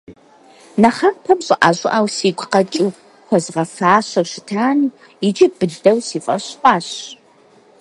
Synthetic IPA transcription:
nɐχɐrpʰɐmɕʼɪʔaɕʼɪʔawsiːɡʷʰqɐt͡ʃʼiw | xʷɔzʁɐfaːɕɐrʃɪtʰaːni | id͡ʒʼib̥ɨɮdɐwsiːfʼɐɕqʷʼɑːɕ

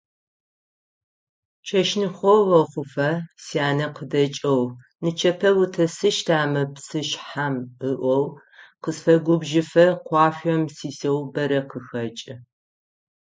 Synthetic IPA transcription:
t͡ʃʰɐʃnɨχʷɔwɐχʷʊfɐsiaːnɐqədɐt͡ʃʼɐw | nɨt͡ʃʰɐpʰɐwutʰɐsɨʃtʰaːmɐpsɨʃħamɨʔʷɔw | qəsfɐɡʷʊbʒɪfɐqʷɑːɕʷɐmsiːsɐwbɐɾɐqəxɐt͡ʃʼɨ

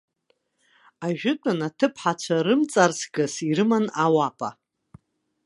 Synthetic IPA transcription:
aʒᶣɪtʷʼanatʰɨpʰħat͡ʃʷʰaɾɨmt͡sʼarsʰɡɨsiɾɨmanawapʼa

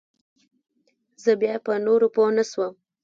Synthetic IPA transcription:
zəbjɑpənoɾoponaswəm

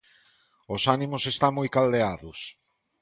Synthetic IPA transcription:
osanimʊsest̪aŋmojkald̪eaðʊs

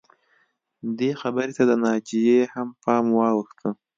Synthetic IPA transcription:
d̪exabəɾet̪ad̪ənɑd͡ʒijehampʰɑmwɑwəxt̪ʰə

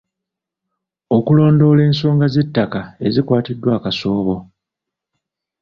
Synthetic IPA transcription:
o̞kulo̞ːndo̞le̞ːnso̞ːŋɡaze̞tːakae̞zikwaːtidːwaːkaso̞ːβo̞

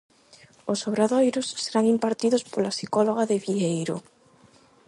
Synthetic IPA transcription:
osoβɾaðojɾosːeɾaŋimpaɾt̪iðospolasikoloɣ̞aðeβiejɾo̰

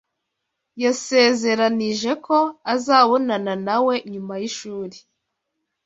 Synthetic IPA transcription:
jase̞ːze̞ɾaniʒe̞ko̞azaːβo̞nananawe̞ɲumajiʃuːɾi

